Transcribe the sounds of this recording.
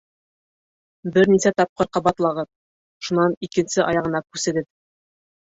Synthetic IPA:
bɘɾnisæt̪ɑp̚qɤɾqɑbɑt̪lˠɑʁɤp̚ | ʃunɑnikɘ̆nsɘʔɑjɑʁɤ̆nɑkʉsɘ̆ɡɘð

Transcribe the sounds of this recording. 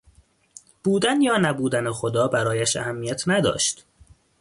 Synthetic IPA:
b̥uːd̪ænjɒːnæbuːd̪ænexod̪ɒːbæɾɒːjæʃæ̰hæmːijæt̪ʰnæd̪ɒ̰ːʃt̪

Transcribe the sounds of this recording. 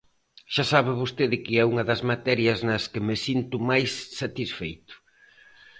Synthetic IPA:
ʃasaβɪβost̪eðɪkɪɛuŋɐðɐzmat̪ɛɾjɐznɐskɪmɪsint̪ʊmajsːat̪isfejt̪ʊ̥

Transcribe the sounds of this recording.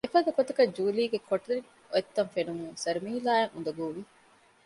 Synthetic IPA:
efɐd̪ɐkot̪ɐkɐd͡ʒuːliːɡekʰoʈɐli | oet̪ːɐnfenumuŋsɐɾumiːilaːɐŋṵnd̪ɐɡuːʋi

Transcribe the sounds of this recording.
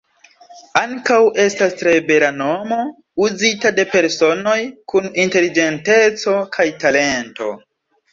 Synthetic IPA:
aŋkawʔe̞stastɾe̞be̞ɾano̞mo̞ | uzitade̞pe̞ɾso̞no̞jkuninte̞lid͡ʒe̞nte̞t͡so̞kʰajtale̞nto̞̰

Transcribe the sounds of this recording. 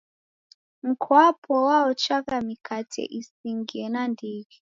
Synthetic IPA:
ŋ̩kʰwapʰɔwaɔt͡ʃakamikʰatʰɛ̰ʔisiŋɡiɛnandiːɣi

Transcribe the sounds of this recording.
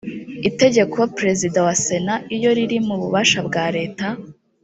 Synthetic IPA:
ite̞ɟe̞kʰo̞pɾe̞zidawase̞naʔijo̞ɾiɾimuβuβaʃabɡaːɾe̞ːta

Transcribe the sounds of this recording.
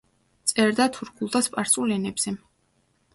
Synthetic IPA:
t̪sʼɛɾd̪at̪ʰuɾkʰulˠt̪ʰaspʼaɾsʼulɛnɛbz̥ɛ

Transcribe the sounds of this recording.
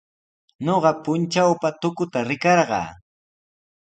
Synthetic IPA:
ɲoɢɑpʊnt͡ʃawpat̪ʊkʊt̪aɾɪkɑɾɢɑ̰ː

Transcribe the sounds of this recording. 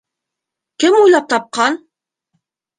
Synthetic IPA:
kɘmujlˠɑp̚t̪ɑp̚qɑn

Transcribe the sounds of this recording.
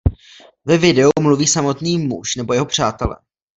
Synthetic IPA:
vɛvɪdɛumluviːsamo̞t̪niːmṵʃnɛbo̞jɛɦopr̝̥aːt̪ɛlɛ̰

